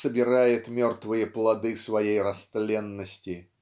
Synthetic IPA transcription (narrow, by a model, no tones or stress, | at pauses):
səbʲɪɾajɪt̪mʲort̪vɨjəplˠɐd̪ɨsvɐjejrɐst̪lʲenːəsʲtʲɪ